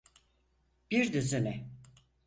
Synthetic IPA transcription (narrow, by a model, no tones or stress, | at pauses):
b̥iɾd̪yzymɛ